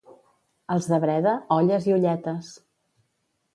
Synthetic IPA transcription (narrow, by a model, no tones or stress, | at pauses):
əlˠzðəβɾɛðəɔʎəziuʎɛt̪əs